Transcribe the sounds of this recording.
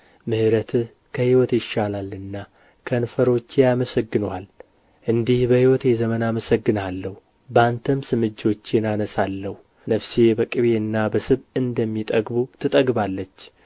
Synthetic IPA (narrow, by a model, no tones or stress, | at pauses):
mɨhɾət̪ʰɨ | kʰəhiwɔt̪jɪʃːalalɨnːa | kʰənfəɾo̞t͡ʃːjaməsəɡːɨnal | ʔɨnd̪ihbəhiwɔt̪jɛzəmənaməsəɡːɨnalːəhu | bəant̪ʰəmsɨmɨd͡ʒːo̞t͡ʃːɪnanəsalːəhu | nəfsebəkʼɨβe̞ɨnːabəsɨβɨnd̪əmːit̪ʼəɡbut̪ʰɨt̪ʼəɡbalːət͡ʃː